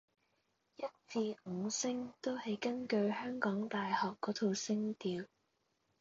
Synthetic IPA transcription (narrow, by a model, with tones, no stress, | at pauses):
jɐ˥t̚t͡siː˧ŋ̩˨˧sɪ˥ŋt̪o˥whɐ˨jkɐ˥nkɵ˧ɥhœː˥ŋkɔː˨˥ŋt̪aː˨jhɔː˨kːɔː˨˥t̪ʰo˨˧wsɪ˥ŋt̪iː˨˧w